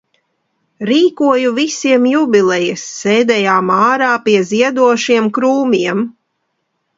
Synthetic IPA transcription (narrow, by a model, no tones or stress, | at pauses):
ɾiːkuɔjuvisiɛmjubʲilˠɛjɛsːɛːd̪ɛjaːmaːɾaːpiɛziɛd̪uɔʃiɛmkɾuːmʲiɛm